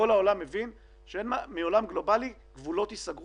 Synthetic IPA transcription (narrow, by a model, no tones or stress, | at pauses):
o̞lao̞lamːevin | ʃeenmamio̞lamɡlo̞bali | ɡvulo̞t̪isaɡ